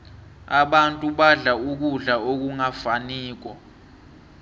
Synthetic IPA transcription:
aɓantʼuɓaɮauk̬uɮaok̬uŋafaniːk̬ɔ

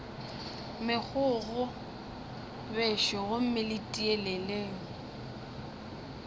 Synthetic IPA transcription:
mɪk͡xʰʊɣʊ | bɛʃɔɣʊm̩mɪlɪtʼiɛlɛleːŋ̩

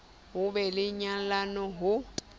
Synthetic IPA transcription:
ɦʊbɛlɪɲalanɔɦʊ

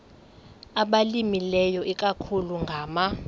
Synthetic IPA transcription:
aɓalimilɛjɔʔikʼakʰuluŋɡʱaːma

